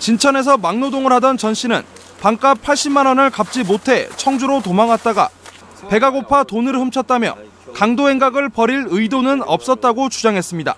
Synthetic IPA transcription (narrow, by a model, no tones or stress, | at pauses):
t͡ɕint͡ɕʰʌne̞s̬ʰʌmaŋnodoŋɯɭhadʌnt͡ɕʌnɕ͈inɯ̰n | paŋk͈ap̚pʰːaɭɕ͈imanʌnɯɭkap̚t͡ɕ͈imotʰe̞t͡ɕʰʌŋd͡ʑuɾotomaŋɦat̚t͈aɡa̰ | pe̞ɡaɡopʰatonɯɭhɯmt͡ɕʰʌt̚t͈amjʌ | kaŋdoe̞ŋɡaɡɯɭpʌɾiɾɯidonɯnʌ̰p̚s͈ʌt̚t͈aɡot͡ɕud͡ʑaŋɦe̞s͈ɯmɲida̰